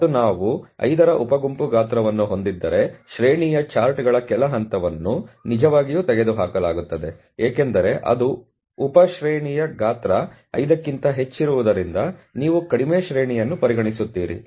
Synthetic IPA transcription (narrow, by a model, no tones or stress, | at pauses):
unaːʋuɐ̰jd̪ɐɾɐʔupɐɡumpuɡaːt̪ɾɐʋɐnːuɦo̞nd̪id̪ːɐɾe̞ʃɾeːɳijɐt͡ʃaːɾʈɡɐɭɐkɛlɐɦɐnt̪ɐʋɐnːunid͡ʒɐʋaːɡijuːt̪ɛɡe̞d̪uɦaːkɐlaːɡut̪ːɐd̪e̞ | eːkend̪ɐɾe̞ʔɐ̰d̪u | upɐʃɾeːɳijɐɡaːt̪ɾɐ | ɐ̰jd̪ɐkːint̪ɐɦe̞t͡ʃːiɾuʋud̪ɐɾind̪ɐniːʋukɐɽimeːʃɾeːɳijɐnːupɐɾiɡɐɳisut̪ːiːɾḭ